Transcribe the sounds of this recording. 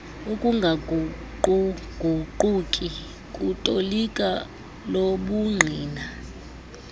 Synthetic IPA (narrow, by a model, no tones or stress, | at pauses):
ukʼuŋɡʱaɡʱuǃuɡ̥ʱuǃukʼi | kʼutʼolikʼa | loɓuŋ͡ǀʱiːna